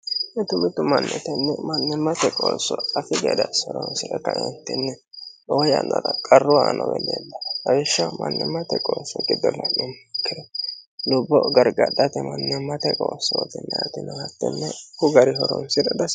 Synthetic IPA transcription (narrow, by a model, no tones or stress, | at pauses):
ʔɛt̪ʊmɪt̪ʊmɐnːɛt̪ɛnːɛmɐnːɛmɐt̪ɛkʼoːsːɔɐfɪɡɛd̪ɐsɔɾɔnsɪɾɛkːɐɪnt̪ːɪnːɛ | ʔoːjɐnːɐdɐkʼɐrːʊaːnɔ̰wɛleb̪ːɐbɐjɛʃːɐmɐnːɛmɐt̪ɛkʼoːsɔɡɪd̪ɔnːɐʔɪmːɐkːɪd̪ɛlʊbːɔɡɐɾɡɐɗɐt̪ɛmɐnːɛmɐt̪ɛkʼoːsːɔt̪ɪnːɛɐt̪ːɪnɛhɐt̪ːɪnːɛkʊɡɐɾɪhɔɾɔnsɪɾɐd̪ɐs